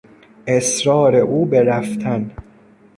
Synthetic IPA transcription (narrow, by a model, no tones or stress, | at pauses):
ʔesɾɒːɾeʔuːbeɾæft̪ʰæn